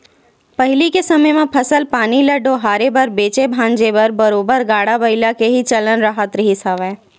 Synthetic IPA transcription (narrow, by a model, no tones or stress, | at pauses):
pɐɦɪlikesɐməjmẽpʰɐsəlpaːnilɐɖoɦaːɾebɐɾbeːt͡ʃebʱãːɲd͡ʒebɐɾbɐɾoːbəɾɡaːɽabɐɪlakeɦit͡ʃɐlənɾəɦət̪ɾəɦisaʋɛ̃ː